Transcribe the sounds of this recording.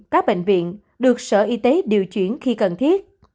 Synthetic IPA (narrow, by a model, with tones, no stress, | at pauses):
kaː˦˥k̚ɓḛ˧˨ŋ̟vḭ˧˨ən | ɗɨ˨˩ək̚sə̰ː˧˩ʔi˧t̪e˨˦ɗi˨˩əwt͡ɕwi˧˩ənxi˧kə˨˩nt̪ʰi˦˥ət̚